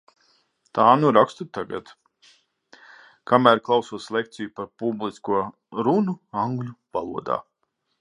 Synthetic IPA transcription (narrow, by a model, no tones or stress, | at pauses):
t̪aːnuɾakst̪ut̪ːaɡa̰t̪ | kʰamæːɾklˠawsuɔslʲˠek̚t̪sijupaɾpublˠiskuɔ | ɾunuãŋɡlʲuvalˠuɔd̪a̰ː